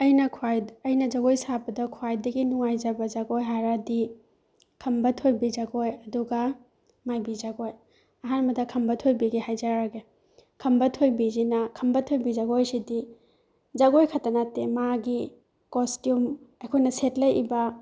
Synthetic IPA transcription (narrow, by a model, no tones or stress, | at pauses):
ɐjnɐkʰwajɐjnɐd͡ʒaɡojsabɐdɐkʰwajdɐɡinuŋajd͡ʒɐbɐzaɡojɦaɾadi | kʰɐmbɐtʰojbizaɡojɐduɡa | majbizaɡoj | ɐɦanmɐdɐkʰɐmbɐtʰojbiɡihajzaɾaɡe | kʰɐmbɐtʰojbizinɐkʰɐmbɐtʰojbizaɡojsidi | zaɡojkʰatanatemaɡi | kostjumɐjkʰojnɐsetlɐjibɐ